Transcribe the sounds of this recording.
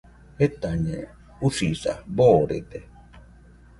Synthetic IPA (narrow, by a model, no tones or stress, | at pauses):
et̪aɲe | usisa̰boːɾḛt̪e